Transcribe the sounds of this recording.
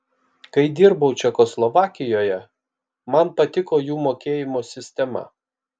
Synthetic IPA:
kɐɪd̪ʲɪɾbɐʊt͡ʃʲɛkoːslˠɔʋɑːkʲɪjoːjɛ | mɐnpɐt̪ʲɪkoːjuːmoːkʲeːjɪmoːsʲɪsʲt̪ʲɛmɐ̰

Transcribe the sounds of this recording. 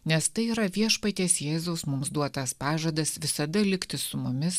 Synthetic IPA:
nʲɛst̪ɐɪiːɾɐʋʲiɛʃpɐt̪ʲeːsjeːzoʊsmʊmsd̪uɔt̪ɐspɑːʒɐd̪ɐsʋʲɪsɐd̪ɐlʲɪkt̪ʲɪssʊmʊmʲɪs

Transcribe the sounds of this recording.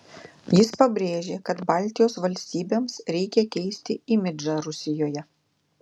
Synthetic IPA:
jɪspɐbʲɾʲeːʒʲeːkɐt̪bɑːˑlʲt̪ʲɪjoːsʋɐlʲsʲt̪ʲiːbʲeːmsɾʲɛɪkʲɛkʲɛɪsʲt̪ʲɪimʲɪd͡ʒɑɾʊsʲɪjoːjɛ

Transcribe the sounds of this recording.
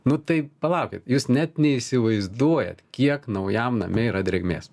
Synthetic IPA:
nʊt̪ɐɪpɐlˠɑˑʊkʲɪt̪juːsnʲɛt̪nʲɛisʲɪʋɐɪzd̪uɔjɛ̰t̪kʲiɛknɐʊjɛmnɐ̰mʲɛiːɾɐd̪ʲɾʲɛɡmʲḛːs

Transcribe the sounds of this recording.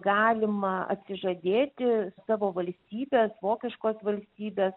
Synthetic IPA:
ɡɑːlʲɪmɐɐ̰t̪ʲsʲɪʒɐd̪ʲeːt̪ʲɪsɑːʋoːʋɐlʲsʲt̪ʲiːbʲeːsʋoːkʲɪʃkoːsʋɐlʲsʲt̪ʲiːbʲeːs

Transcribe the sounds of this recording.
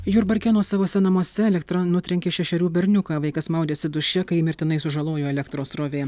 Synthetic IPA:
juːɾbɐɾʲkʲɛnoːsɑːʋoːsʲɛnɐmoɔsʲɛɛlʲɛkt̪ɾɐnʊt̪ʲɾʲɛŋʲkʲeːʃʲɛʃʲɛɾʲuːbʲɛɾʲnʲʊkaːʋɐɪkɐsmɐʊd̪ʲeːsʲɪd̪ʊʃʲɛkɐɪmʲɪɾʲt̪ʲɪnɐɪsʊʒɐlˠoːjoːɛlʲɛkt̪ɾoːsɾoːʋʲeː

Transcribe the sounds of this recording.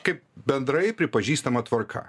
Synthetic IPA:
kɐɪp̚bʲɛnd̪ɾɐɪpʲɾʲɪpɐʒʲiːst̪ɐmɐt̪ʋɐɾkʰɐ̰

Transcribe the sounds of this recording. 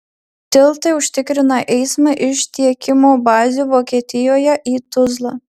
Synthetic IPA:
t̪ʲɪlˠt̪ɐɪʊʃʲt̪ʲɪkɾʲɪnɐʔɛɪsmɐʔɪʃt̪ʲiɛkʲɪmoːbɑːzʲuʋoːkʲiɛt̪ʲɪjoːjɛʔiːt̪ʊzlˠɑː

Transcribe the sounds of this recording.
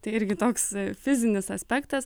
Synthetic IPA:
t̪ɐɪɪɾʲɡʲɪt̪oːksfʲɪzʲɪnʲɪsɐsʲpʲɛkt̪ɐs

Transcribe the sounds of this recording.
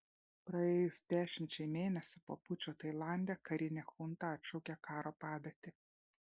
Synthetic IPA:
pɾɐɛːjʊsd̪ʲæːʃʲɪmʲt͡ʃʲɛɪmʲeːnʲɛsʲʊpoːpʊt͡ʃʲoːt̪ɐɪlˠɑˑnʲd̪ʲeːkɐɾʲɪnʲɛxʊnt̪ɐɐt̪ʲʃɒʊkʲɛkɑːɾoːpɑːd̪ɐt̪ʲɪ

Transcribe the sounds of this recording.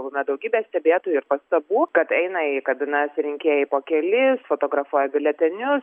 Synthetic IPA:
lˠʊmʲɛd̪ɐʊɡʲiːbʲɛːsʲt̪ʲɛbʲeːt̪oːjuɪɾpɐst̪ɐbuːkɐt̪ɛɪnɐikɐbʲɪnɐsɾʲɪŋʲkʲeːjɛɪpoːkʲɛlʲɪsfoːt̪oːɡɾɐfuɔjɛbʲɪlʲɛt̪ʲɛnʲʊs

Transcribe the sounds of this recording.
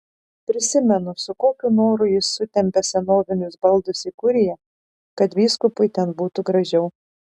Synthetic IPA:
pʲɾʲɪsʲɪmʲɛnʊsʊkoːkʲunoːɾʊjɪsːʊt̪ʲɛmʲpʲɛsʲɛnoːʋʲɪnʲʊsbɐlˠd̪ʊsikʊɾʲɪjɛ | kɐt̪ʋʲiːskʊpʊɪt̪ʲɛnbuːt̪ʊɡɾɐʒʲɛʊ

